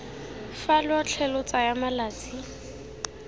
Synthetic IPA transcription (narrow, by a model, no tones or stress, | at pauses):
falwɔt͡ɬʰɛlʊt͡sajamalaːt͡si